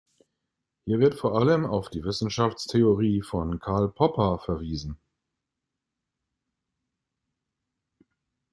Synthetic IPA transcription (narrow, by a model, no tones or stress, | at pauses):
hiːɐvɪɐtfoːɐʔaləmaʊfd̥iːvɪsn̩ʃaft͡stʰeoʁiːfɔnkʰaɐlpʰɔpɐfɛɐviːzn̩